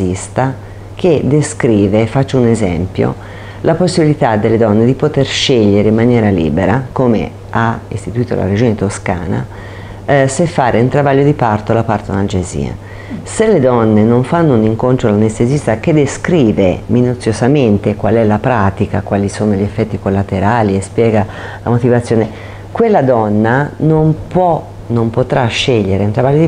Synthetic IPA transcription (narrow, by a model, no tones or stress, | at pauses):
ist̪a | ked̪eskɾiːvefat͡ʃːounezɛmpjo̰ | lʔaposːibilit̪ad̪ːelːed̪ɔnːed̪ipot̪erʃeʎːeɾeimːanjɛːɾalḭːbeɾakoːmḛ | aist̪it̪uiːt̪o̰la̰ɾed͡ʒoːnet̪oska̰ːna̰ | sefːaːɾeunt̪ɾavaʎːod̪ipart̪olapart̪onald͡ʒezḭːa̰ | selːed̪ɔnːenoɱfanːouniŋkont̪ɾolanest̪ezist̪aked̪eskɾiːveminut̪sːjozament̪ekwalɛlapɾaːt̪ikakwaːlisoːnoʎefːɛt̪ːikolːat̪eɾaːliespjɛːɡa | la̰mot̪ivat̪sːjoːne | kwelːad̪ɔnːanompwɔ | nompot̪ɾaʃːeʎːeɾeunt̪ɾavaʎːod̪i